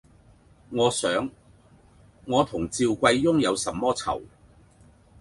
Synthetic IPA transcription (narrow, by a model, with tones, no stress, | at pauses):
ŋɔː˨˧sœː˨˥ŋ | ɔː˨˧t̪ʰʊ˨˩ŋt͡siː˧wkʷɐ˧jjʊ˥ŋjɐ˨˧wsɐ˨˩mːɔː˥t͡sʰɐ̰˨˩w